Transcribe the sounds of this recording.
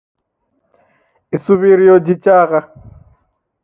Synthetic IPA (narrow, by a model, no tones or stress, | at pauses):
isuβiɾijɔd͡ʒit͡ʃʼaːɣa